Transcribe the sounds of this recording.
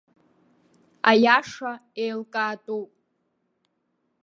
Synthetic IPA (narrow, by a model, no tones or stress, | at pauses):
a̰jaʂaejlkʼaːtʼupʼ